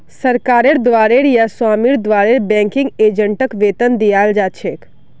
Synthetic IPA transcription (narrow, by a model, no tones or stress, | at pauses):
səɾkaːɾeɽd̪ʋaːɾeɾjaswaːmiɾd̪ʋaːɾeɾbɛ̃ːŋkɪŋɡeːd͡ʒəɳʈəkʋeːt̪ənd̪ijaːld͡ʒaːt͡ʃʰek